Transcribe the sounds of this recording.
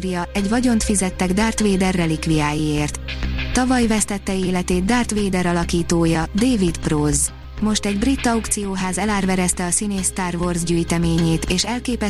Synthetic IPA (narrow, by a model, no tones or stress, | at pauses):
ɾijɒɛɟvɒɟo̞nt̪fizɛt̪ːɛɡd̪aːrt̪ʋeːd̪ɛrːɛlikʋijaːjieːrt̪ːɒvɒjvɛst̪ɛt̪ːɛeːlɛt̪eːd̪d̪aːrt̪ʋeːd̪ɛɾɒlɒkiːt̪oːjɒd̪eːvit̪proz | mo̞ʃt̪ɛɟbrit̪ːɒwkt̪sijoːɦaːzɛlaːrvɛɾɛst̪ɛɒsineːst̪aːrvorzɟyːjt̪ɛmeːɲeːt̪eːʃɛlkeːpɛ